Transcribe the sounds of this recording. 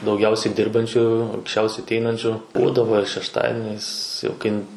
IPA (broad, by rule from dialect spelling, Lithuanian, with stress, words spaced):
dɐʊˈɡʲɛʊsʲɛɪ ˈdʲɪrbɐnʲt͡ʃʲuː ɐŋksʲˈt͡ʃʲɛʊsʲɛɪ ɐtʲˈɛɪnɐnʲt͡ʃʲʊ ˈbuːdɐʋoː ɪr ʃʲɛʃˈtɑːdʲɪnʲɛɪs jɛʊ ˈkɐɪ